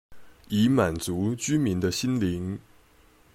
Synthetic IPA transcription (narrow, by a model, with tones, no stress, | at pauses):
i˧˥ma˨˩nt͡su˧˥t͡ɕy˥mi˧˥nd̪ə˧ɕi˥nli˧˥ŋ